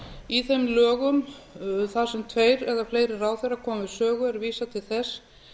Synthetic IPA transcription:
iθejmlœːɣʏmθaðsɛmt̪ʰveːjɾɛðafleːjɾɪraːwθejɾakʰɔːmavɪsœːɣʏɛɾviːsat̪ʰɪlθɛs

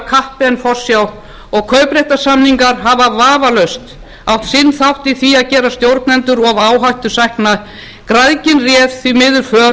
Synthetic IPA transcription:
kʰahpɪɛnfɔr̥sjaw | ɔɣkʰœːɥpɾejht̪ḁsamniŋkaɾɦavavaːvalœɥst̪ | awht̪sɪnːθawht̪iθiaðcɛːɾast̪jowɾt̪nɛnt̪ʏɾɔɣvaːwɦajht̪ʏ̥sajhkna | kɾaðcɪnrjɛːvθvimɪðʏɾ̥fœː

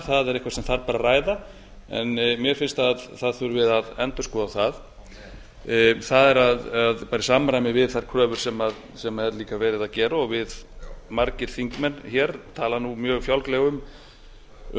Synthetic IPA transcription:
θaðɛɾɪhkvasɛmθaɾpaːɾaraːjða | ɛ̰nmjɛɾ̥fɪnst̪aðθaðθʏɾvɪðaðɛnt̪ʏ̥skɔːðaθað | θaðɛɾaðaðpaːɾɪsamɾajmɪvɪð̥θaɾ̥kʰɾœːvʏɾ̥sɛmað | sɛmaɛɾliːkavɛːɾɪðaðcɛːɾaɔɣvɪðmaɾcɪɾ̥θiŋkmɛnçɛɾt̪ʰaːlanumjœːɣfjawlklɛɣʏm

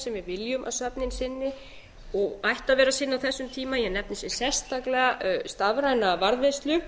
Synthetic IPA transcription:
sɛmvɪðvɪljʏmʔa̰ðsœpnɪnsɪnːɪ | ɔɣajht̪aðvɛːɾasɪnːawθɛsːʏmt̪ʰiːmajɛɣnɛp̚nɪsjɛ̥sɛ̥st̪aklɛɣast̪avɾajnavaɾðvɛst̪lʏ

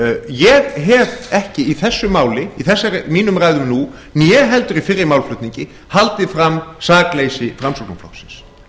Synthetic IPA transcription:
jɛðɦɛvɛhcɪiθɛsːʏmaːwlɪiθɛsːaɾmiːnʏmraːjðʏmnu | nijɛɦɛl̪t̪ʏɾifɪrːɪmaːwlflʏht̪niɲcɪ | halt̪ɪfɾamːsaːkleːjsɪfɾamsɔknuflɔ̰ksɪns

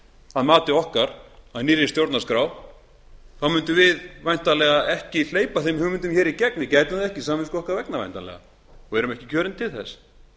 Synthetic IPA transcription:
haðmaːt̪ɪɔhkaɾaðniːɾɪnst̪jowɾt̪naskɾaːw | θawmʏnt̪ʏvɪðvajn̥t̪alɛɣaɛhcɪl̥eːjpaθejmhʏmʏnt̪ʏmçɛːɾicɛknɪcajt̪naðɛhcɪsaːmamɪskɔhkaɾvɛknava̰jn̥t̪alɛ̰ɣa̰ | ɔɣɛɾʏmɛhcɪcʰœːɾɪnt̪ʰɪlθɛs

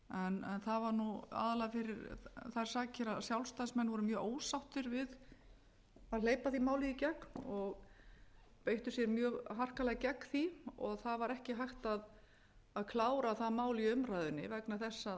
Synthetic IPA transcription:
ɛnɛ̰nθavaɾnua̰ːðalaɣafɪɾɪɾθajɾ̥saːcɪɾaðsjawlst̪aðsmɛnːvɔɾʏmjœːɣoːwsawht̪ʏɾvɪð | aðleːjpaθimaːwlɪicɛknɔɣ | pejht̪ʏsjɛɾmjœːɣɦar̥kalɛɣcɛkθiɔɣθaðvaɾɛhcɪɦajxt̪að | aðkʰlaːwɾaθaðmaːwlɪiʏmɾajðʏnːɪ̰vɛknaθɛsːa

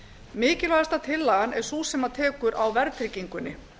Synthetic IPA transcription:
mɪːcɪlvaðast̪at̪ʰɪlːaɣanɛɾ̥susɛmat̪ʰɛːkʏɾʔawvɛɾt̪ʰɾɪciŋkʏnːɪ

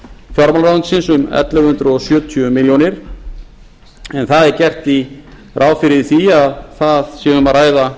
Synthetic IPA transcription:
fjɔɾmalɾansɪnsʏmɛ̰t̪lɛɣhʏnt̪ɾɔsjœːt̪ʰːʏmɪljɔnɪɾ̥ | ɛnθaðɛɾcɛr̥t̪i | rʔaːwfɪɾɪðθiaðθaðsjɛɣʏmaɾaːjða

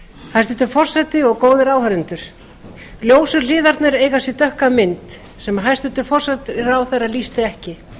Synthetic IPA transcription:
hajst̪ʏnt̪ʏfɔr̥sɛt̪ɪɔɣkoːwðɪɾaːwhœɾʏnt̪ʏɾ̥ | ljoːwsʏɾl̥ɪːðaɾt̪nɪɾeːjɣasjɛt̪œhkamɪnt̪ | sɛmɦajst̪ʏnt̪ʏfɔr̥sɛt̪ɪɾawθeraðliːst̪ɪɛhcɪ

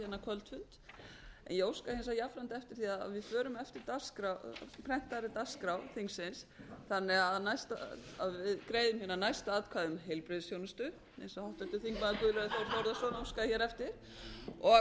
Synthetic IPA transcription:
ɛnːakʰvœlt̪fʏnt̪ɛ̰njɛowskahɛns̬ajafɾant̪ɛft̪ɪɾ̥θiað̰vɪðfœːɾʏmɛft̪ɪɾt̪askɾawpʰɾɛn̥t̪aɾɪt̪askɾawθiŋksɪnsθanːɛaðnajst̪a̰a̰ðvɪðkɾeːjðʏmhɪnanajst̪aaːt̪kʰvaːðʏmɦejlpɾɪðsjownɪst̪ʏ | ḛjnsɔhawht̪ɛft̪ɪɾ̥θiŋkmaðʏkʏðlœɣθaɾ̥θɔwɾðasɔnowskaçɛɾɛft̪ɪɾ̥ | ɔ

